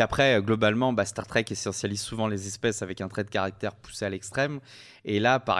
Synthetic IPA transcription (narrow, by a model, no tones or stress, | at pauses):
apχɛøɡlɔbalmɑ̃basɛt̪aʁt̪χɛkesɑ̃sjalizsuvɑ̃lezɛspɛsavɛkɛ̃t̪χɛd̪əkaʁak̚t̪ɛʁpu̥sealɛkst̪χɛm | elapa̰ʁ